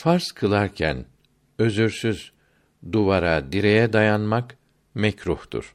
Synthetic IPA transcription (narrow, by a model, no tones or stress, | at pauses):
faɾzkʰɯlˠaɾcʰæ̰n | ø̞zyɾsyz̥ | d̪uvaɾad̪iɾejɛd̪ajanmak | mɛcɾuht̪ṵɾ̥